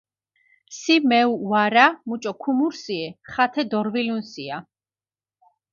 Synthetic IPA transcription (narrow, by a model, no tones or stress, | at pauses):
simɛuwaɾamut͡ʃʼɔkʰumuɾsiɛχat̪ʰɛd̪ɔɾvilunsia